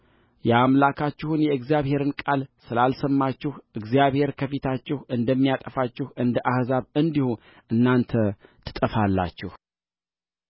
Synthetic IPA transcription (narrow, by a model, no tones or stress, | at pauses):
jɛamlakʰat͡ʃːɪhunjɛɨɡzjaβhe̞ɾɨnkʼalsɨlalsəmːat͡ʃːɪhʔɨɡzijaβhe̞ɾkʰəfit̪ʰat͡ʃːɪhɨnd̪əmːijat̪ʼəfat͡ʃːɪhɨnd̪əʔahzaβɨnd̪ihu | ʔɨnːant̪ʰət̪ʰɨ̥t̪ʼəfalːa̰t͡ʃːɪh